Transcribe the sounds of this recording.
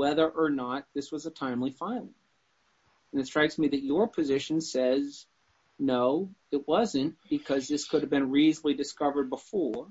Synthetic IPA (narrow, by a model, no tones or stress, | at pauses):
wɛðə˞ʔə˞nət̪̚ðɪswʌzətʰãɪ̃mlifãɪ̃lˠɪ̃ŋ | ɨ̃nɨtstɹ̥aɪksmiðɨt͡ʃə˞pʰɨzɪʃn̩sɛz | noʊɨt̚wʌzɨ̃nb̥ɨkʰʌzðɪskʰʊɾɨvbɨ̃nɹizlidɨskʌvə˞d̚bəfɔɹ